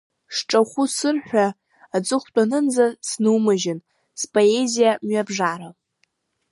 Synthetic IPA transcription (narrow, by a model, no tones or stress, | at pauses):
ʂʈ͡ʂʼaχʷusɨrħᶣʷaː | d͡zʼɨχʷt͡pʼanɨnd͡zasnɨwmɨʒɪn | spʼoezijamɥabʐaɾa